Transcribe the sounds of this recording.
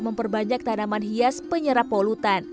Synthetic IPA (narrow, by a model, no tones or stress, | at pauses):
məmpərbaɲak̚t̪anamanɦiaspəɲəɾapolut̪an